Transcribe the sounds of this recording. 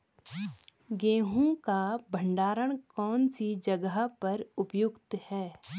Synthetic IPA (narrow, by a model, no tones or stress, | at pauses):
ɡẽːɦũkabʱə̃ɳɖaːɾəɽ̃kɔːnsid͡ʒəɡəɦapɐɾʊpjʊɡt̪hɛː